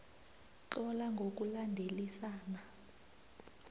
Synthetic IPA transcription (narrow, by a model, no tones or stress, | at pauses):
ǁɔlaŋɡʱok̬ulandʱelisaːna